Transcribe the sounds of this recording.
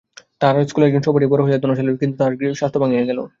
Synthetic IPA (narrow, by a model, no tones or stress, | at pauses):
t̪aɾskuleɾɡinʃopoʈipoɾoɦod͡ʑad̪onoeloɾkint̪ut̪aɾɡiʃast̪ʰobaŋieɡɛlo̰